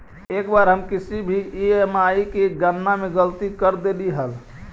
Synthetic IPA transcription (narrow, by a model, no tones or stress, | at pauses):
ekbaɾɦəmkisibʱiiemaikeɡənːameɡəlt̪ikəɾd̪eliɦəl